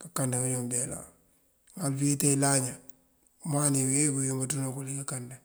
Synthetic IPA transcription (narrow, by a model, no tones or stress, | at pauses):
kakandakaɲomdela̰ | ŋalfitelaɲa | maniwekujumatunakulikakanda